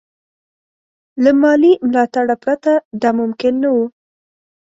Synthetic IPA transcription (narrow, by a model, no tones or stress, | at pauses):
lamɑlimlɑt̪aɽapɾat̪ad̪ɑmʊmkɪnːawu